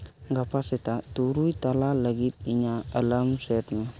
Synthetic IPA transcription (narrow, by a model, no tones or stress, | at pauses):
ɡapasetatuɾujtalaləɡitiɲaːlamsetme